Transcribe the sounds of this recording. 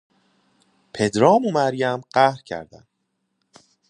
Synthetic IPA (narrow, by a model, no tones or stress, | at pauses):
pʰed̪ɾɒːmomæɾjæmɢæhɾcʰæ̰ɾd̪æ̰n